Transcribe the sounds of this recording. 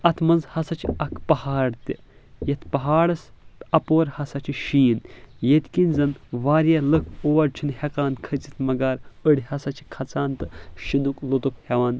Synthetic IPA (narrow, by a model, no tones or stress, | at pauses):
ɐt̪ʰmɐnzhɐsɐt͡ʃʰɐkʰpɐhaːɽt̪i | jɐt̪ʰpɐɦaːɽɐst̪ɐpoːɾhɐsɐt͡ʃʰiʃiːnjet̪kinʲzɐnʋaːɾjɐlɨkʰoːɐɾt͡ʃʰinhɐkaːnkʰət͡sit̪mɐɡaːɾəɽʲihɐsɐt͡ʃʰi̥kʰɐt͡saːnt̪ɨʃinuklot̪ukhɐʋaːn